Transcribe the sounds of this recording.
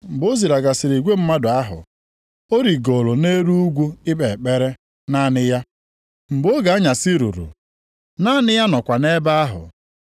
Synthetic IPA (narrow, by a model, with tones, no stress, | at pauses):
m̩˨bo˦zi˨ɾa˨ɡa˨sɪ˨ɾi˨ɡʷe˦m̩˦ma˦dʊ˨a˦ɦʊ̰˨ | o˦ɾi˨ɡo˨lo˨ne˦ɾu˦u˦ɡʷu˦ɪ˦be˨k͡pe˦ɾe˦ | na˦nɪ˦ja˦ | m̩˨bo˦ɡa˨a˦ɲa˨sɪ˦ɾṵ˨ɾṵ˨ | na˦nɪ˦ja˦nɔ˨kʷa˨ne˦ba˦a˦ɦʊ̰˨